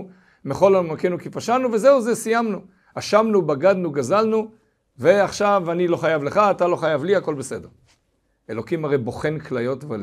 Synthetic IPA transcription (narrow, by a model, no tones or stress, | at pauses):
meχo̞lamakenukifaʃanuvezeuzesijamnu | aʃamnubaɡad̪nuɡazalnu | ve̞aχʃavanilo̞χajavleχaːtalo̞χajavliako̞lbe̞sedeʁ | elokimhaʁejbo̞χe̞nklajo̞tvl